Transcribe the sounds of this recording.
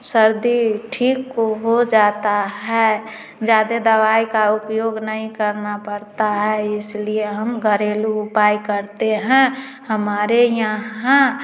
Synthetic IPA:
səɾd̪iʈʰiːkoɦod͡ʒaːt̪aɦɛ | d͡ʒaːd̪ed̪əʋaːikaʊpjoɡnəɦĩkəɾnapəɾt̪aɦɛɪslieɦəmɡʱəɾeːluʊpaːikəɾt̪eɦɛ̃ | həmaːɾejəã

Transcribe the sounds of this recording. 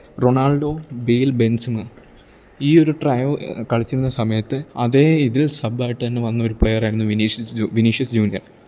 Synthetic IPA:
ro̞ɳaːɭɖo̞ːbeːlbe̞nsmɨ | iːo̞ɾuʈrɐjɐʋkɐɭit͡ɕːiɾunːɐsɐmɐjɐt̪ːɨɐðe̞iðilsɐbaːjiʈːɨt̪ɐnːeʋɐnːɐo̞ɾupɭejɐraːjiɾunːuʋiniʋiniʂɐsd͡ʑuːnijɐ̰r

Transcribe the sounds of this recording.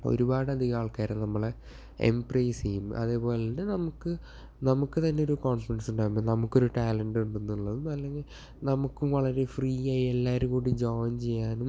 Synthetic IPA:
o̞̰ɾubaːɽɨɐd̪iɣaːɭkaːɾenɐmːɐɭ | ḛmprɐjsiːumɐ̰ðe̞ːpo̞ːleindenɐmukːɨ | nɐmukːɨt̪ɐnːe̞oɾukoːnfrɐnsuɳɖaːumbonɐmukːo̞ɾuʈaːlɐɳɖuɳɖunːuɭːɐðɨmɐlːe̞ŋɡil | nɐmukːumʋɐɭɐɾe̞friːaːielːaːʋɐɾumkuːɽid͡ʑoːnt͡ɕe̞jːaːnum

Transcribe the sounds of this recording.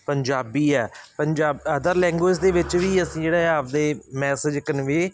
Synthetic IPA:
pəɲd͡ʒaːbiːɛːpəɲd͡ʒaːbəd̪əɾlɛ̃ːŋɡoːs̬d̪eːʋɪt͡ʃʋiːəsĩːd͡ʒeːɽaːaːpd̪eːmɛːsəd͡ʒkənʋeː

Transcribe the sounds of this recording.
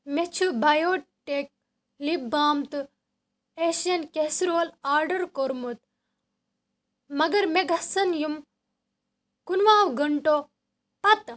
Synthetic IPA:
met͡ʃʰubɐjoːʈːeːk̚ | libaːmt̪ɨ | eːʃjɐnkesɾoːlaːɾɖɐɾkoɾmut̪ | mɐɡɐɾmeɡʱɐsɐnjum | kunʋaːwɡɐɳʈo | pɐt̪

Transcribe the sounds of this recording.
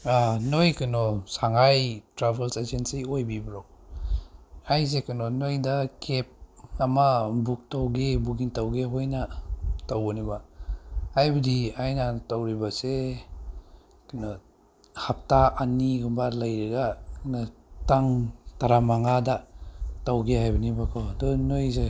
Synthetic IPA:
anojkɯnɔsaŋajtɾabelsezensiojbibɾok | ajsekɯnɔnojdakʰep̚ɐmabuk̚tawɡebuɡintawɡeɦojnɐtawbɔnibaː | jbɐdiajnatawɾibase | kanɔ | hap̚taanːiɡɔmbalajɾɐɡanɔtaŋtaɾamaŋadatawɡeɦajbɐnibakʰɔdɔnojze

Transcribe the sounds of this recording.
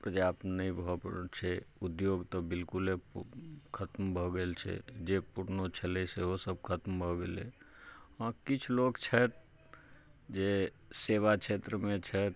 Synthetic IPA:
pɾəd͡ʒapnəĩbʱɔpt͡ʃʰɛud̪joɡt̪ɔbilkule | kʰət̪mbʱɔɡelt͡ʃʰɛ̰d͡ʒepuɾnot͡ʃʰəlɛseɦosəb̚kʰət̪mbʱɔɡele | ãkit͡ʃʰlokt͡ʃʰət̪̚ | d͡ʒe | seʋat͡ʃʰet̪ɾəmẽt͡ʃʰɛt̪̚

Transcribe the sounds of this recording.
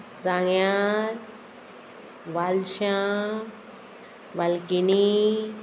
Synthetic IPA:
saŋjaɾ | ʋalʃã | ʋalkini

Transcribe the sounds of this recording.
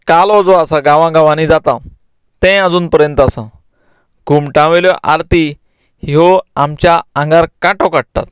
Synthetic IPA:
kalɔd͡zɔasaɡãʋãɡãʋãnid͡zat̪ã | t̪ɛ̃ad͡zuːnpəɾjənt̪asã | ɡ̥ʱumʈãʋeljɔʔa̰ɾt̪i | hiɦoamt͡ɕjaãŋɡaɾkaʈɔkaɽ̚t̪a̰t̪

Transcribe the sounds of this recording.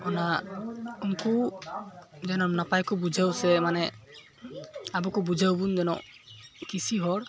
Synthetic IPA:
ɔna | unku | d͡ʒɛnɔmnapajkɔbud͡ʒʱawsɛmanɛ | abukubud͡ʒʱawbund͡ʒɛnɔ̰ʔ | kisiɦɔɽ

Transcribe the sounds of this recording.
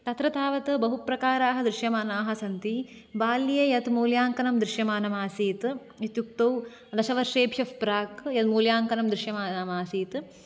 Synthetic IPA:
t̪ɐt̪ɾɐt̪ʰaːʋɐt̪bɐɦupɾɐkaːɾaːɦɐ̆d̪ɾɪʃjɐmaːnaːɦɐsɐnt̪i | baːlijejɐt̪moːljaːŋkɐnɐmd̪ɾɪʃjɐmaːnɐmaːsiːt̪ | jɐt̪juk̚t̪ɐw | d̪ɐʃɐʋɐɾʂeːbʱjɐfpɾaːkjɐt̪moːljaːŋkɐnɐmd̪ɾɪʃjɐmaːnɐmaːsiːt̪

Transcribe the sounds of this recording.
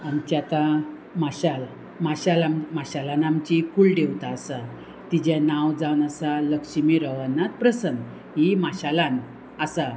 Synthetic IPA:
amt͡ɕat̪a | maɕal | maɕalammaɕalanamt͡ɕikulɖeʋt̪aəsa | t̪id͡ʑanãwd͡zawnəsaləkɕimiɾəʋənːat̪̚pɾəsən | ɦimaɕalãn | əsa

